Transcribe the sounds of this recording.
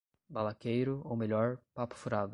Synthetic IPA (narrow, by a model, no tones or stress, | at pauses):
balakejɾʊowmeʎɔɾpapʊ̥fuɾad̪ʊ